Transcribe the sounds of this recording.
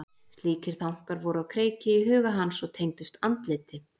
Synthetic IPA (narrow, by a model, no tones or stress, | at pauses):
st̪liːcɪɾ̥θawwŋ̥kaɾvɔɾʏawkʰɾeːjcɪiɦʏːɣaɦansɔɣt̪ʰejŋt̪ʏst̪ant̪lɪːt̪ɪ